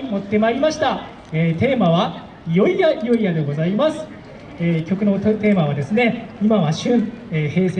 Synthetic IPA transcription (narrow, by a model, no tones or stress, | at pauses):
mo̞t̪ːe̞maɾʲimaɕi̥t̪a | eːt̪e̞ːmaβa | jo̞ijajo̞ijad̪e̞ɡo̞zaimasɨ̥ | ekʲo̞kɯ̟no̞t̪e̞ːmaβad̪e̞sɨne̞imaβaɕɨ̃ɴ̃ehe̞ːse